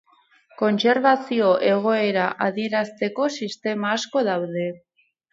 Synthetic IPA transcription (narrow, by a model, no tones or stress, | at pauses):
ko̞nseɾβaθjoʔeɣoeɾaʔaðiɾast̪ekosist̪emaaskoðawðe